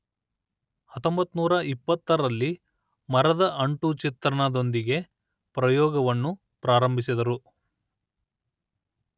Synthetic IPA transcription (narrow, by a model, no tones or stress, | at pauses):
hɐt̪ːombɐt̪ːunuːɾɐipːɐt̪ːɐɾɐlːi | mɐɾɐd̪ɐʔɐɳʈut͡ʃit̪ɾɐnɐd̪o̞nd̪iɡe̞ | pɾɐjɔːɡɐʋɐnːu | pɾaːɾɐmbʱisid̪ɐɾu